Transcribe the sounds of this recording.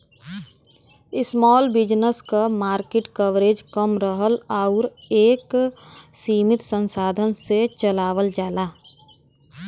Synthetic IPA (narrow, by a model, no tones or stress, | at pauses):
ɪsmɔːlbɪd͡ʒnəskamaːɾkeʈkəʋɾeːd͡ʒkəmɾəɦəlaʊɾeːk | siːmɪt̪sə̃nsaːd̪ʱənset͡ʃəlaːʋəld͡ʒaːlaː